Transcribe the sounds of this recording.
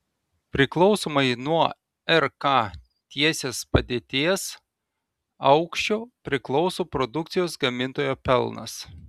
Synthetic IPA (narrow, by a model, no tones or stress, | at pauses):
pʲɾʲɪklˠɔʊsoːmɐɪnuɔ | ɛɾkɑ | t̪ʲiɛsʲeːspɐd̪ʲeːt̪ʲeɛs | ɐʊkʃʲt͡ʃʲoːpʲɾʲɪklˠɒʊsoːpɾɔd̪ʊkt̪sʲɪjoːsɡɐmʲɪnt̪oːjoːpʲɛlˠnɐ̰s